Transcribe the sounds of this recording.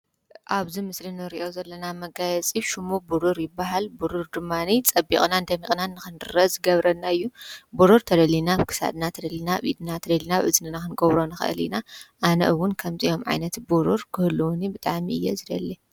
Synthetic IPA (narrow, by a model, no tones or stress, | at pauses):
ʔaβzimɨslinɨɾiʔo̞zɐlːɐnamɐɡajɛt͡sʼiʃumubuɾuɾjɪbːaɦalbuɾuɾd̪ɨmːanit͡sʼɐbḭχʼnand̪ɐmikʼnanːɨxɨnd̪ɨɾɐzɨɡɐβɾɐnːaɨjːubuɾuɾt̪ʰɐd̪ɐlinaβkʰɨ̥sa̰d̪nat̪ʰɐd̪ɐlinaβḭd̪nat̪ʰɐd̪ɐlinaʕɨ̰zɨnɨnakɨnɡɐβɾo̞nɨxɨ̰ʔɨ̰lḭnaʔanɐ̰ʔɨwʊnkʰɐmzijo̞mʕa̰jnɐt̪buɾuɾkʰɨhɨlːuwnibɨt̪ʼaʕmiɨjːezɨd̪ɐlːi